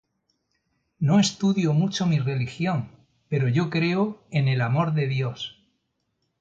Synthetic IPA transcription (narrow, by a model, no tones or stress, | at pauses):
no̞e̞st̪uðjo̞mut͡ʃomire̞lixjo̞ŋ | pe̞ɾo̞ʝo̞kɾe̞oe̞ne̞lamo̞ɾðe̞ðjo̞s